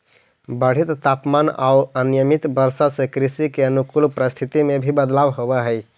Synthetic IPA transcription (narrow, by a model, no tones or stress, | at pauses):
bəɽ̤it̪ːapmana̰uənjəmit̪bəɾsasẽkɾisikeənukulpɾəst̪ʰit̪imebʱibəd̪labɦobɛɦəj